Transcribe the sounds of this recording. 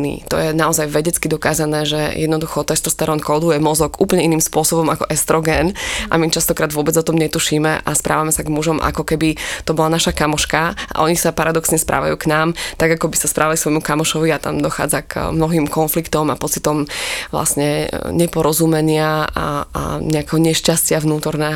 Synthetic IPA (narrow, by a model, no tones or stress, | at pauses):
nḭt̪ɔ̰jɛnaɔzajʋɛɟɛt͡skid̪ɔkaːzanɛːʒɛjɛ̰d̪nɔd̪uxɔt̪ɛst̪ɔst̪aɾɔnkɔʊd̪ujɛmɔzɔkuːplɲɛiniːmspʊɔsɔbɔmakɔʔɛst̪ɾɔɡɛːnʔa̰mit͡ʃast̪ɔkɾaːd̪ʋʊɔbɛd͡zɔt̪ɔmɲɛt̪uʃiːmɛʔa̰spɾʔa̰ːʋamɛsaɡmuʒɔmʔa̰kɔkɛbit̪ɔbɔlanaʃakamɔʃkaa̰ʔɔɲisapaɾad̪ɔksɲɛspɾa̰ːʋa̰juːknaːmt̪aɡakɔbisaspɾaːʋaliksʋɔjmukamɔʃɔʋiat̪a̰md̪ɔxa̰ːd͡zakmnɔɦiːmkɔnflikt̪ɔmapɔt͡sit̪ɔmʋla̰sɲɛɲɛpɔɾɔzumɛɲɪaa̰ɲɛakɛɦɔɲɛʃcascɪaʋnuːt̪ɔɾnɛːɦ